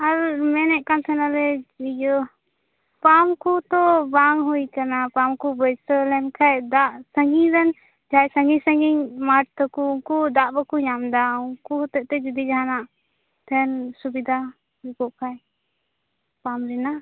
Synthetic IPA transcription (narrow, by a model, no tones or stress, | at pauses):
aɾmɛnɛʔkant̪ʰɛnalɛid͡ʒɔ | pamkut̪ɔbaŋɦujkanapamkubəjsəlɛmkʰajd̪aʔsəŋɡiɾɛn | d͡ʒʱajsəŋɡisəŋɡiɲmaʈ̚t̪ɔkuuŋkud̪aʔbakuɲamd̪auŋkuhɔt̪ɛʔt̪ɛd͡ʒud̪id͡ʒaɦanaʔ | t̪ʰɛnsubid̪ʱa | ɾikɔʔkʰaj | pamɾina